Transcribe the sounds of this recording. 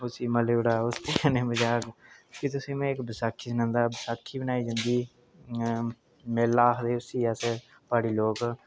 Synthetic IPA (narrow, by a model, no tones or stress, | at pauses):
ʊsiːməleʊɽaːʊst̪eːanẽːbəd͡ʒaːkkiːt̪ʊsĩːmɛ̃ːɪkbəsaːkʰːiːsnãːnd̪aːbəsaːkʰːiːbənaːiːd͡ʒãnd̪iː | mɛːlaːɦd̪eːʊsiːəs | paːɽiːloːk